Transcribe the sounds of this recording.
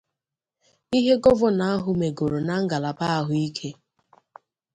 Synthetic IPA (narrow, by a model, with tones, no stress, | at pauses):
i˦ɦe˦ɡɔ˦vʊ˦na˦a˦ɦʊ˦me˨ɡo˨ɾo˨na˦ŋ̩˦ɡa˨la˨pa˦a˦ɦʊ˦i˦kʰe˦